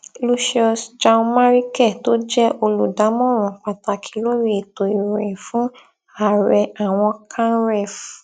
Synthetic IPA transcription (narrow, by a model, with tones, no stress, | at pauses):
lu˧ʃɔ˧sd͡ʒã˧ma˦ɾi˦kɛ˦˨to˦d͡ʒɛ˦ʔo˧lu˨da˨˦mɔ̃˦ɾ̃ɔ̃˨k͡pa˨ta˨kʰi̥˧˦lo˦ɾi˦e˦˨to˨i˨ɾɛ̃˨fũ˨˦ | a˦˨ɾɛ˧a˨w̃ɔ̃˧kʰã˦ɾɛ˦˨f